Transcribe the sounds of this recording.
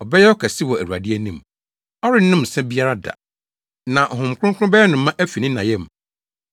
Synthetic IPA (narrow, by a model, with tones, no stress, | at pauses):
ɔ˨bɛ˦jɛ˦ɔ˦kʰa˨si˦wɔ˨æ˨ɾu˨a̰˨dɪ˦e˦nĩ˦m | ɔ˦ɾɪ˦nʊ̃˦m̩˨sɛ̃˦bi˦a˦ɾa˦da̰˨ | nã˨ʔhʊ̃˨m˨kʰɾʊ̃˦kʰʊ̃˦ʊ̃˦bɛ˦jɛ˦nʊ̃˨mː˦ã˦ʔæ˦fi˨nĩ˦nã˨jɛ˦˨m˨